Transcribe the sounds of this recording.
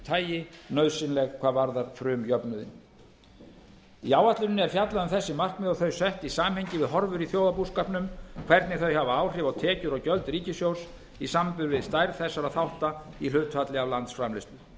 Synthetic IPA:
t̪ʰaːjɪnœːɥsɪnlɛɣkʰvaːvaɾðaɾ̥fɾʏːmjœpnʏðɪ̰n | iaːwaht̪lʏnnɛɾ̥fjat̪laðʏmθɛsːɪmar̥kmɛðɔɣθœɥjsɛht̪isaːmhejɲcɪvɪðɦɔɾvʏɾiθjowðapuskapnʏmkʰvɛɾt̪nɪθœɥhavaaːwr̥ɪvaɣt̪ʰɛːcʏɾɔɣcœlt̪ɾiːcɪsjows | isampʏɾvɪðst̪ajɾθɛsːaɾaθawht̪a | ilʏːt̪fat̪lɪavlant̪sfɾamlɪst̪ʏ

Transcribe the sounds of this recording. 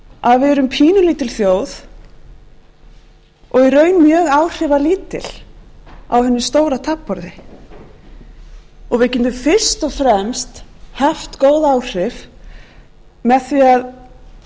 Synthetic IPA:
aðvɪðɛɾʏmpʰiːnʏlit̪ɪlθjoːwθ | ɔɣiɾœːɥnmjœːɣaːwr̥ɪvaliːt̪ɪ̰l̥ | a̰wɦɛnːʏst̪oːwɾat̪ʰapːɔɾðɪ | ɔɣvɪðcɪnt̪ʏfɪɾ̥st̪ɔɣfɾɛmst̪hɛft̪koːwðaaːwr̥ɪv | mɛðθviað

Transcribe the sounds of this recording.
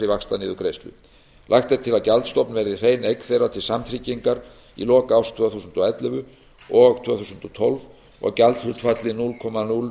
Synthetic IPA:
ɾivaxst̪anɪːðʏkɾejst̪ʏ̰ | lʔajxt̪ɛɾ̥t̪ʰɪlaðcalt̪st̪ɔpnvɛɾðɪr̥eːjnejkθejrat̪ʰɪlsamt̪ʰɾiciŋkaɾ | ḭlɔːkawst̪ʰvœːθuːsʏnt̪ɔɛt̪lɛvʏ | ɔɣt̪ʰvœθusʏnt̪ɔt̪ʰɔlv | ɔ̰ɣcalt̪hʏt̪fat̪lɪnulkʰɔmanul

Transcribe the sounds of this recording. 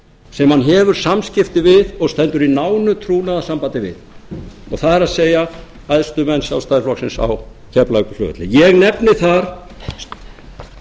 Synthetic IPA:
sɛmhanɦɛvʏɾ̥samscɪft̪ɪvɪðɔɣst̪ɛnt̪ʏɾinaːwnʏt̪ʰɾuːnaðasampant̪ɪvɪ̰ðɔɣθaðɛɾaðseːja | ajðst̪ʏmɛnsjawst̪ajlɔksɪnsa̰w | cʰɛplaɥkʏ̥fʏ̰ːʏt̪lɪjɛɣnɛpnɪθaɾ̥

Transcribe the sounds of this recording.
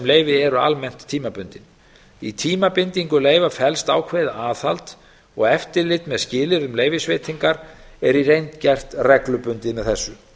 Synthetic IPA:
mleːjvɪɛɾʏa̰lmɛn̥t̪ʰːiːmapʏnt̪ɪn | it̪ʰiːmapɪnt̪iŋkʏleːjvafɛlst̪aːwkʰvejðaaːθalt̪ | ɔɣɛft̪ɪɾlɪt̪mɛðscɪːlɪɾʏmleːjvɪsveːjt̪iŋkaɾ̥ɛɾiɾejnt̪cɛr̥t̪rɛklʏpʏnt̪ɪmɛðθɛsːʏ

